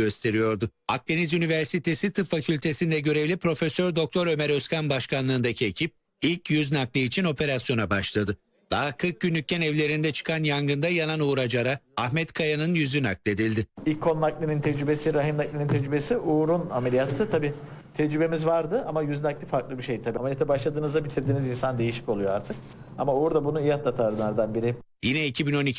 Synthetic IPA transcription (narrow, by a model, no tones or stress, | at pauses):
øst̪ʰe̞ɾijo̞ɾd̪ʊa̰k̚t̪ʰenizynivæɾsit̪ʰe̞sit̪ʰɯfacʰylʲt̪ʰe̞sind̪ɛɟø̞ɾevlʲipɾo̞fesøɾd̪o̞k̚t̪ʰo̞ɾø̞mɛɾøskʰanbaʃkʰanlˠɯːnd̪acʰie̞cʰip̚ | ilʲcjyznaklˠɯit͡ʃʰino̞pʰe̞ɾasjo̞nabaʃlˠad̪ɯ | d̪̥aɦakʰɯɾk̚ɟynlʲyc̚ʲcʰːænɛvlʲe̞ɾind̪ɛt͡ʃʰɯ̥kʰanjaŋɡɯnd̪ajananuːɾad͡ʒaɾaːhmɛt̪kʰajanɯnjyzynak̚lʲˠe̞d̪ilʲd̪ɪilʲkʰːonnaklʲinint̪ʰɛd͡ʒɾybe̞siɾaɦimnaklʲinint̪ʰɛd͡ʒɾybe̞siʔuːɾunamelʲijat̪ʰːɯt̪ʰabiː | t̪ʰɛd͡ʒɾybe̞mizvaɾd̪ɯʔamajyznaklʲifaɾklˠɯbiɾʃejd̪it̪ʰabiamelʲjat̪ʰɛbaʃlˠad̪ɯːnɯzd̪abit̪ʰiɾd̪iːnizinsand̪e̞jiʃi̥co̞lˠujoaɾt̪ʰɯk | amauuɾd̪abunuijat̪lˠat̪ʰaɾɯnˠaɾd̪anbiɾɪ | jinɛicʰibino̞nicʰ